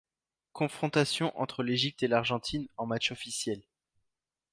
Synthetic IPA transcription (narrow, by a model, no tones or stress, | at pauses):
kɔ̃fχɔ̃t̪asjɔ̃ʔɑ̰̃t̪χəleʒip̚t̪elaʁʒɑ̃t̪ʰinɑ̃mat͡ʃɔfisjɛl